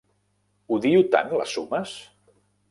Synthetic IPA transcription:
uðiut̪a̰nlə̰suməs

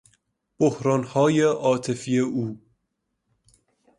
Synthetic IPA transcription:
b̥ohɾɒːnhɒːjeʔɒːt̪ʰe̞fijeuː

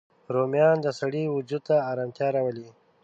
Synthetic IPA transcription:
ɾomjɑnd̪əsaɽiwud͡ʒud̪̚t̪aːɾamt̪jɑɾawəli

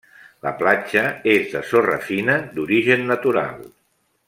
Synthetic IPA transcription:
ləplat͡ʃəezðəsorə̰finəd̪uɾiʒənːət̪uɾa̰lˠ

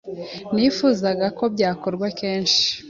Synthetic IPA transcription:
nifuzaɡako̞bɟaːko̞ɾɡwakeːnʃi̥

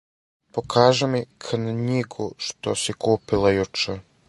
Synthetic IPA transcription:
pokʰaːʒɛmikʰnɲiɡuʃt̪o̰sikuːpilˠajut͡ʂɛ

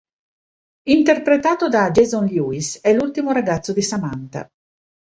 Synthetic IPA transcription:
int̪erpɾet̪aːt̪od̪ad͡ʒezɔnljuisɛlult̪imoɾaɡat̪sːod̪isamant̪a̰

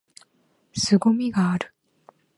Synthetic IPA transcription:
sɨɡomʲiɡaːɾɯ̟̥

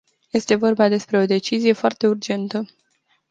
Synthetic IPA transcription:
je̞st̪e̞vo̞rbad̪e̞spɾe̞o̞d̪e̞t͡ʃizije̞foart̪e̞urd͡ʒe̞nt̪ə

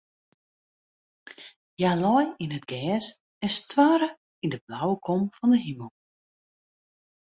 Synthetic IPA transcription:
jalɔjinətɡ̥ɛːs | ɪstwaːɾə | indəblawəkʰɔmfɔndəɦiməlˠ

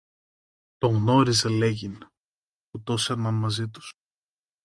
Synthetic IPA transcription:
t̪o̞ɣno̞ɾizele̞ʝin | put̪o̞seɾnɐnmɐzit̪u̥s

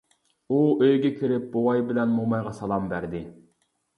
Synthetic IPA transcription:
uʔøjɡʲɛkʲʰiɾɪp̚bowɑjbɪlɛnmomɑjʁɑsɑlˠɑmbæɾd̪ɪ

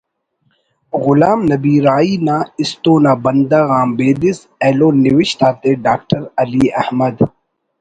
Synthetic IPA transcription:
ɣʊlaːmnɐbiːɾaːiːnaːɪst̪õːnaːbɐnd̪aːɣaːmbeːd̪ɪs | eːloːniwɪʃt̪aːt̪eɖaːk̚ʈɐɾɐliːɐ̰hmɐd̪

